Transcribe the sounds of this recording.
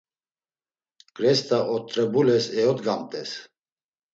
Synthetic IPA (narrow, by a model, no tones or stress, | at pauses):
ɡ̥ʼɾɛst̪ʼaʔɔt̪ʼːɾɛbulɛsɛɔt̪ɡamt̪ʼɛs